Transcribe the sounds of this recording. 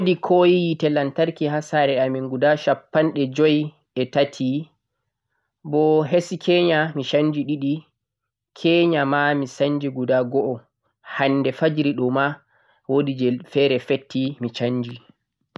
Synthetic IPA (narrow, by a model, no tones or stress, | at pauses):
wodikʰɔjijitɛlantaɾkiɦasaɾɛamiŋɡudaʃapːanɗɛd͡ʒɔj | ɛtatʰi | bɔɦesikʰɛɲamiʃaɲd͡ʒiɗiɗi | kʰɛɲamamisaɲd͡ʒiɡudaɡɔʔɔ | hanːdɛfad͡ʒɾiɗɔma | wodid͡ʒɛfɛɾɛfetːimit͡ʃaɲːd͡ʒi